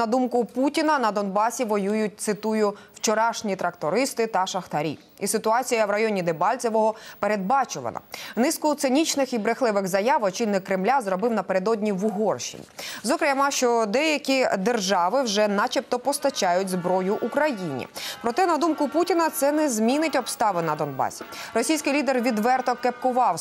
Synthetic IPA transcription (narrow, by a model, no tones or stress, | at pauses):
ɐd̪umkʊputʲinɐnɐd̪ɔnbɑsʲiʋɔjujʊt̚ʲt̪sɪt̪ujʊwt͡ʃɔɾɑʃnʲit̪ɾɐkt̪ɔɾɪst̪ɪt̪ɐʃɐxt̪ɐɾʲḭ | isɪt̪ʊɑt͡sʲijɐʋɾɐjɔnʲid̪ebɑlʲt͡sʲɛʋɔɦɔpeɾe̞d̪̚bɑt͡ʃʊʋɐ̰nɐ̰nɪskʊt̪sɪnʲit͡ʃnɪxibɾɪxlˠɪʋɪɣzɐjaʋɔt͡ʃilʲnɪkːɾɪmlʲazrɔbɪwnɐpeɾed̪ɔdʲnʲiʋʊɦɔrʃḭnʲḭzɔkɾʲmɑʃt͡ʃɔd̪ɛjɐkʲid̪erʒɑʋɪwʒɛnɑt͡ʃipt̪ɔpɔst̪ɐt͡ʃɑjʊtʲzbɾɔjʊʔukɾɐjinʲḭpɾɔt̪ɛnɐd̪umkʊputʲinɐt̪sɛnɛzʲmʲinɪtʲɔbst̪ɑʋɪnɐd̪ɔnbɑ̰sʲi̥rɔsʲijsʲkɪjlʲid̪erʋʲid̪ʋɛrt̪ɔkep̚kʊʋɑw